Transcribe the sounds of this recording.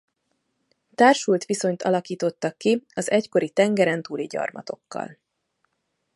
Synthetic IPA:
t̪aːrʃult̪ʋiso̞ɲt̪ɒlɒkiːt̪o̞t̪ːɒkːiɒzɛcko̞ɾit̪ɛŋɡɛɾɛnt̪uːliɟɒ̰rmɒt̪o̞kːɒ̰l

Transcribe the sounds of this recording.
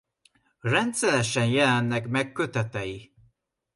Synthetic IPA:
rɛnt̪sɛlɛʃɛnjɛlɛnːɛkmɛkːøt̪ɛt̪ɛji

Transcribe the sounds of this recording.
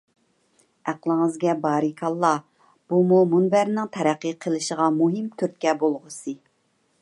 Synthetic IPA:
æqlˠɪŋɨzɡʲɛbɑːɾɨkʰɑlˠːɑ | b̥umumunbæɾnɪŋt̪ʰɛɾæqːəqʰəlˠɨʃəʁɑmuɦɪmt̪ʰyɾt̪̚kʲɛbolˠʁʊsɨ

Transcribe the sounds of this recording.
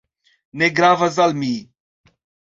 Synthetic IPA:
neɡɾaːvɐzɐlmiː

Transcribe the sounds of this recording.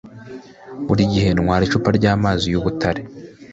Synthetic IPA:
βuɾiɟihe̞nŋwaːɾiʃupaɾɟaːmaːzijuβutaɾe

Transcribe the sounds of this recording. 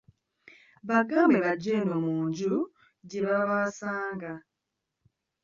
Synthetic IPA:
βaɡambeβaɟenomuːɲɟu | ɟeβaβaːsaːŋɡa

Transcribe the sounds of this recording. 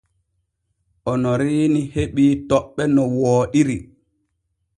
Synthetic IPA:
ʔɔnɔɾiːniheɓiːtɔɓːɛnɔwɔːɗiɾi

